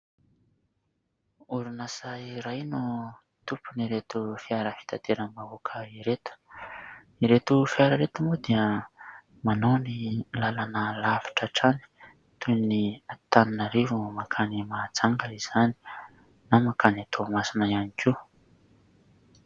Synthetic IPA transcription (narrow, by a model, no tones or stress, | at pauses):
uɾunasajɾajnu | t̪upuniɾet̪ufiaɾəfi̥t̪at̪ʰeɾəmavukʰəiɾet̪ə̥ | iɾet̪ufiaɾəɾet̪umud̪iə | manonilalanəlavi̥ʈ͡ʂaʈ͡ʂani̥ | t̪uniat̪aninaɾevumakʰanimad͡zaŋɡəiz̥ani̥ | namakʰanat̪ʰomasinaianikʰi